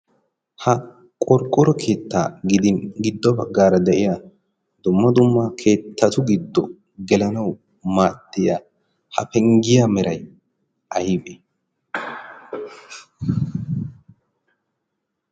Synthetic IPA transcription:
hɐ | kʼɔɾkʼːɔɾɔkʰe̞ːt̪ːa̰ːɡɪd̪ɪnɡɪd̪ːɔbɐɡːaːɾɐd̪ɛʔɪjaː | d̪̥ʊmːɐd̪ʊmːakʰe̞ːt̪ːɐt̪ʊɡɪd̪ːɔ | ɡɛlɐnɐw | maːt̪ːɪjaː | hɐ̰pɛŋɡɪjamɛɾɐj | ʔɐjɪbe

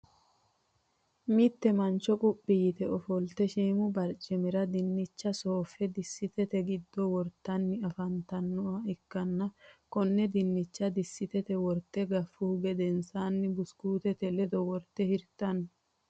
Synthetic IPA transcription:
mɪt̪ːɛmɐnt͡ʃɔkʼʊpːɪjɪt̪ɛɔfɔlt̪ɛʃiːmʊbɐɾt͡ʃʼːɪmɪɾɐd̪ɪnːɪt͡ʃːɐsoːfːɛd̪ɪsːɪt̪ɛt̪ɛɡɪd̪ːɔwɔɾt̪ːɐnːɪɐfɐnt̪ɐnːɔɐɛkːɐnːɐkɔnːɛd̪ɪnːɪt͡ʃːɐd̪ɪsːɪt̪ɛt̪ɛwɔɾt̪ːɛɡɐfːʊhʊɡɛd̪ɛnsaːnːɪbʊskuːt̪ɛt̪ɛlɛd̪ɔwɔɾt̪ːɛhɪɾt̪ɐn

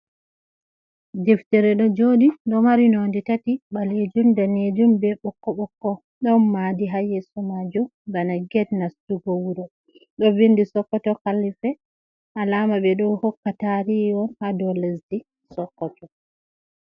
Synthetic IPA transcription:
dɛftɛɾɛɗɔd͡ʒodindɔmaɾinonditatiɓaled͡ʒumdaned͡ʒumbɛɓɔkːɔɓɔkːɔ | ɗɔnmadiɦajɛsumad͡ʒumbanaɡɛdnastuɡɔwuɾɔ | ɗɔvindisɔkːɔtɔkalːifɛ | ʔalaːmabɛɗɔhɔkːataɾiɔnhadɔlesdi | sɔkːɔtɔ

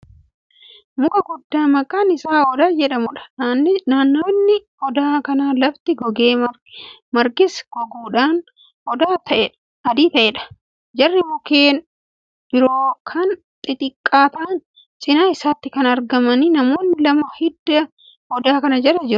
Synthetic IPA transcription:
mʊkʼɐɡʊd̪ːaːmɐkʼaːnɪsaːɔd̪aːd͡ʒɛᶑɐmʊᶑɐ̥naːnːoːnːɪ | ɔd̪aːkɐnaːlɐft̪ɪɡɔɡeːɐ | mɐɾɡɪsɡ̥ɔɡuːᶑaːn | ɔd̪aːt̪ɐʔɛᶑɐ̥ | ɐd̪iːt̪ɐʔeːᶑɐ̥ | d͡ʒɐrːɪmʊkeːn | b̥ɪɾoːkʰɐn | t̪ʼɪt̪ʼɪkʼːaːt̪aːn | t͡ʃʼɪnaːɪsaːt̪ːɪkɐnɐɾɡɐmɐniːnɐmo̞ːnːɪlɐmɐhɪd̪ːɐ | ɔd̪aːkɐnɐd͡ʒɛɾɐd͡ʒɪɾʊ̥

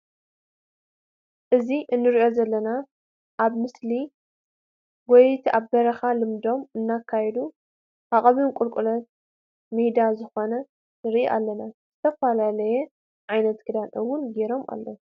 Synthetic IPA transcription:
ʔɨziʔɨnːɨɾiʔo̞zɐlːɐna | ʔaβmɨsli | wɔjt̪ʰiaβbɐɾɐxalɨmd̪o̞mɨnːakʰːajɛd̪u | ʔaχʼɐβɨnkʼʊlkʼulɐt̪̚ | mid̪azɨxo̞nɐ | nɨɾʔiʔa̰lːɐnaz̥ɨt̪ʰɐfalalɐjɛ | ʕajnɐt̪kʰɨd̪anʔɨwːʊnɡeɾo̞mʔa̰lːo

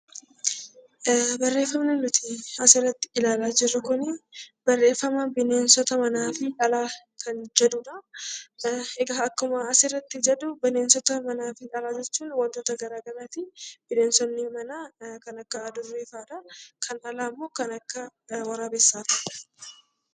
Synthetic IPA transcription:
bɐrːe̞ːfːɐmnɛnːʊt̪ɪɐsɪrːɐt̪ːɪɪlaːlaːd͡ʒɪrːʊkʊnɪb̥ɐrːe̞ːfːɐmɐbɪne̞ːnsɔt̪ɐmɐnaːfɪᶑɐlaː | kʰɐnd͡ʒɛd̪ʊᶑɐ | ɛɡaɐkːʊmɐːsɪrːɐt̪ːɪd͡ʒɛd̪ʊbɪneːnsɔt̪ɐmɐnaːfɪᶑɐlaːd͡ʒɛt͡ʃːuːnwɐnt̪oːt̪ɐɡɐɾaːɡɐlaːt̪ɪb̥ɪneːnsɔnːɪmɐnaːkɐnɐkːɐːd̪ʊrːeːfaːᶑɐkʰɐnʔɐlaːmːo̞ːkɐnɐkːɐwɐɾaːbɛsːaːfɐᶑɐ̥

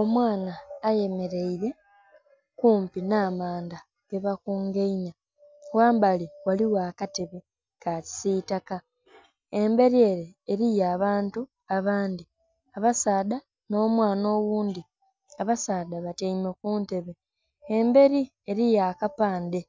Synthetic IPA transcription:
o̞mwaːnaːje̞me̞ɾe̞iɾe̞ | kuːmpinaːmaːnda | ɡ̥e̞βakuːŋɡeiɲa | waːmbaliwaliwaːkate̞βe̞ | kaci̥sitaka | embe̞ɾie̞ːɾeːɾijaːβaːntu | aβaːnd̪i | aβasaːda | no̞ːmwaːnoːwuːndi | aβasaːdaβateimekuːnte̞βe̞ | embe̞ɾi | eɾijaːkapaːnde̞

